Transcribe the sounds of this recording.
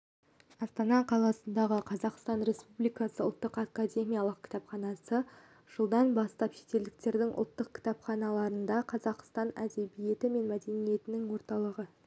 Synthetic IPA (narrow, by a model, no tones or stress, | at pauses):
ɑst̪ɑnɑqʰɑlˠɑsənd̪ɑʁəqʰɑzɑqst̪ɑnɾe̞spublijkɑsəʊ̰lˠt̪ːəqɑkːad̪ʲe̞mʲijalˠəq̚kʲʰɪ̥t̪ɑpχɑnɑsə | ʒ̥əlˠd̪ɑnbɑst̪ɑpʃe̞̥t̪e̞ld̪ɪkt̪e̞ɾd̪ɪŋʔʊ̰lˠt̪ːəq̚kʲʰɪ̥t̪ɑpχɑnɑlˠɑɾənd̪ɑqʰɑzɑqst̪ɑnæd̪e̞bije̞t̪ɪme̞nmæd̪e̞nije̞t̪ɪnɪŋwo̞ɾt̪ɑlˠəʁə